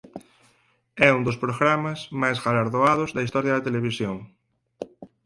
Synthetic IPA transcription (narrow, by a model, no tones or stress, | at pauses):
ɛund̪ospɾoɣɾamazmajsɣalaɾðoað̞ozðɐist̪ɔɾjɐðɐt̪eleβ̞isjoŋ